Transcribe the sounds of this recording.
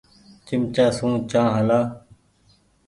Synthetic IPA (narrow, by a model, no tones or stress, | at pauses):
t͡ʃɪmt͡ʃaːsũːt͡ʃãːɦəlaː